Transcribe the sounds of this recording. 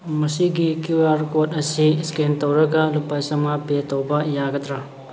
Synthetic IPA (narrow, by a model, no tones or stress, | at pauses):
mɐsiɡikuwaɾkotɐsiskintɐwɾɐɡɐlupajsɐmɐpetowbɐjaɡɐt̪ɾa